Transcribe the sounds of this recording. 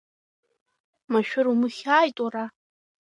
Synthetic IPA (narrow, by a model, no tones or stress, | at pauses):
maʃᶣʊɾumɨχʲaːjtʼara